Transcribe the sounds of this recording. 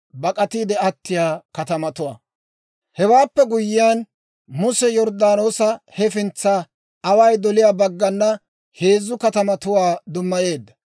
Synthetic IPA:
bɐkʼɐt̪iːd̪ɛɐt̪ːɪjaːkɐt̪ɐmɐt̪ʊwaː | hɛwaːpːɛɡʊjːɪjan | mʊsɛjɔɾd̪aːnoːsɐhɛfɪnt͡sːa | ɐwɐjd̪ɔlɪjaːbɐɡːɐnːɐ | he̞ːzːʊkɐt̪ɐmɐt̪ʊwaːd̪ʊmːɐje̞ːd̪ːɐ̥

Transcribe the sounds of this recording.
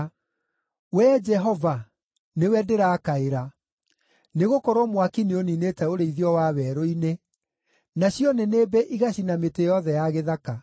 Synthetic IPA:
wɛd͡ʒɛɦɔva | newɛdeɾaːkaeɾa | neɣokɔɾɔmwakinioninetɛoɾeiðjɔwaːwɛːɾoine | naɕjɔneneːbɛʔiɣaɕinametejɔðɛjaɣeðaka

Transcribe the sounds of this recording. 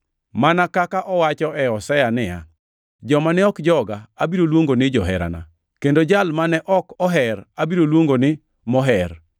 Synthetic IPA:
manakakaʔɔwat͡ʃɔʔɛɔsɛjanɪja̰ | d͡ʒɔmanɛɔkd͡ʒɔɡaabiɾolwoŋɡonɪd͡ʒɔɦɛɾa̰na̰ | kendod͡ʒalmanɛʔɔkɔɦɛɾabiɾolwoŋɡonɪ | mɔɦɛr

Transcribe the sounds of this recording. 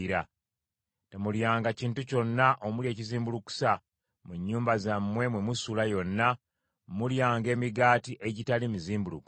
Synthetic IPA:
ɾa | temuljaːŋɡaciːntuco̞nːaʔomulje̞ːciziːmbuluku̥sa | muɲːuːmbazamːwe̞mwe̞musulajo̞nːa | muljaːŋɡe̞ːmiɡaːtiʔe̞ɟitalimiziːmbuluku

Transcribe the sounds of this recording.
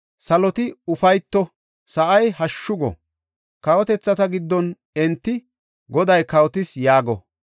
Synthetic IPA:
sɐlɔt̪ɪʊfɐjt̪ːɔ | sɐʔɐjhɐʃːʊɡɔ̰ | kɐwɔt̪ɛt͡sːɐt̪ɐɡɪd̪ːɔn | ɛnt̪ːɪ | ɡɔd̪ɐjkɐwɔt̪ɪsjaːɡɔ̰

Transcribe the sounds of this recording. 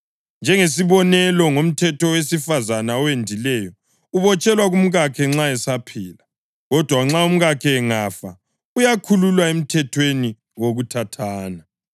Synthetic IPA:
nd͡ʒʱɛŋes̬iβɔnɛlɔŋom̩tʰɛtʰɔwesifazanaɔwendʱilɛjɔ | uβɔt͡ʃʼɛlwaɣum̩ɣakʰɛŋ͡ǁaɛsapʰiːla | ɣɔd̥ʱwaŋ͡ǁaum̩ɣakʰɛːŋafa | ujakʰululwaem̩tʰɛtʰweni | woɣutʰatʰaːna

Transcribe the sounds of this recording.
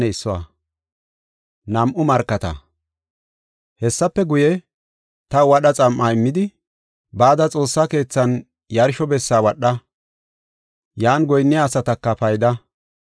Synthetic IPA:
ɛɪsːɔwɐ̰ | nɐmʔʊmɐɾkːɐt̪ɐ̰ | hɛsːɐpːɛɡʊjɛ | t̪ɐwɐɗɐt͡sʼɐmʔːaɪmːɪd̪ɪ | baːd̪ɐt͡sʼo̞ːsːake̞ːt͡sːɐn | jɐɾʃɔbɛsːaːwɐɗːɐ | jaːnɡɔjnːɪjasɐt̪ɐkːɐpɐjd̪ɐ

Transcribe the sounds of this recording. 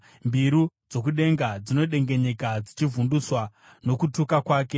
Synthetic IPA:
mbiɾud͡zo̞k̬uɗe̞ŋɡad͡zino̞ɗe̞ŋɡe̞ɲe̞kad͡zit͡ʃivunduswa | no̞kutukakwaːke̞

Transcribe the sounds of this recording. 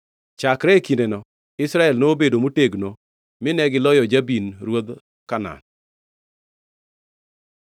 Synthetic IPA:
t͡ʃakɾɛkindenɔ | ɪsɾaɛlnoːbedomuteɡno | mɪnɛɡɪlɔjɔd͡ʒabinɾwod̪ | kana̰n

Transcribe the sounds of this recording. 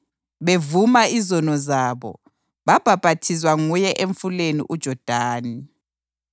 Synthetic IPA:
βevumaizɔnɔzaːβɔ̰ | βab̥ʱab̥ʱatʰizwaŋujɛʔeɱfulenḭʔud̥ʒ̥ʱɔd̥ʱaːni

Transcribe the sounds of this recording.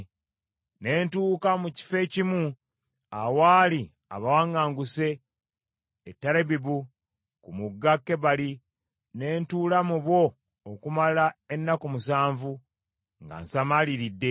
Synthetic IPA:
ne̞ːntuːkamuci̥fe̞cimu | awaːli | a̰βawaŋɡaːŋɡuse̞ | tːaɾeβiβu | kumuɡːakːe̞βali | ne̞ːntuːlamuβwo̞ː | kumalae̞nːakomusaːɱvu | ŋɡa̰nsamaliɾidːe̞

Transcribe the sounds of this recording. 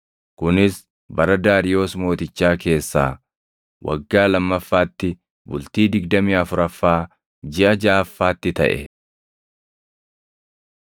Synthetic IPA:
kʊnɪs | bɐɾɐd̪aːɾɪjo̞ːsmo̞ːt̪ɪt͡ʃːaːke̞ːsːaː | wʔɐ̰ɡːaːlɐmːɐfːaːt̪ːɪ | bʊlt̪iːd̪ɪɡd̪ɐmiːɐfʊɾɐfːaː | d͡ʒɪʔɐd͡ʒaːfːaːt̪ːɪt̪ɐ̰ʔɛ̰

